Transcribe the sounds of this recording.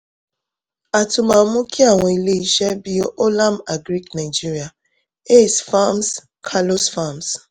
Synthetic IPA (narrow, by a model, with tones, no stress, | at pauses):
a˨tʊ˨ma˨˦mʊ˦ki˦a˦˨ŋʷe˨i˦le˦i˦ʃe˦bi˦o˦ʔo˦la˦ma˨ɡɾi˦kna˨ɪ˨d͡ʒi˦ɾi˨a˨ | e˦˨sfa˦ms | kʰa˦lo˦sfa˦˨ms